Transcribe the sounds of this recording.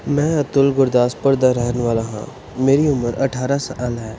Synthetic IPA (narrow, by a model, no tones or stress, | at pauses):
mɛ̃ːɐt̪ʊlɡʊɾd̪aːspəɾd̪aɾɛɦneʋaːlaɦã̰ː | meːɾiʊməɾɐ̰ʈʰaːɾasaʔɐlɦɛː